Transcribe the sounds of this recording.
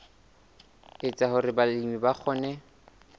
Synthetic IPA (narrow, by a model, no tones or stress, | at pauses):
ɪt͡sʼahʊɾɪbalimibak͡xʰɔːnɛ